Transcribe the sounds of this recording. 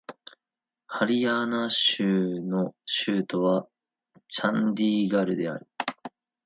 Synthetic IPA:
haɾʲianaɕɯːno̞ɕɯːt̪o̞βa | t͡ɕãnd̪ʲiːɡaɾɯ̟d̪e̞a̰ɾɯ̟

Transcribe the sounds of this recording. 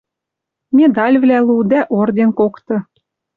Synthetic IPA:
mʲed̪ɑlʲvlʲælˠud̪æʔord̪enkokt̪ɤ̆

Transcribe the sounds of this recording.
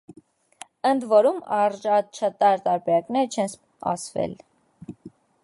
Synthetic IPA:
ənd̪vɔɾumɑɾʒɑt͡ʃʰət̪ɑɾt̪ɑɾbɛɾɑknɛɾt͡ʃʰɛns | ɑ̰svɛ̰l

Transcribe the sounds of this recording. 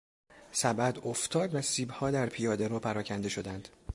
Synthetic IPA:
sæbæd̪oft̪ʰɒːd̪væsiːbhɒːd̪æɾpʰijɒːd̪eɾɒːpʰæɾɒːcʰænd̪eʃo̞d̪ænd̪̥

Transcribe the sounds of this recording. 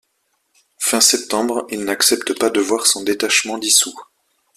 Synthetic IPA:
fɛ̃sɛp̚t̪ɑ̃bʁilnaksɛpt̪əpad̪əvwaʁsɔ̃d̪et̪aʃmɑ̃d̪isu

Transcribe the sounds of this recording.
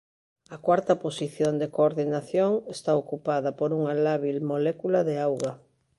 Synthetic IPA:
ɐkwaɾt̪ɐposiθjond̪ekoːɾðinaθjoŋest̪aokupaðɐpoɾuŋalaβilmolɛkulaðeawɣa

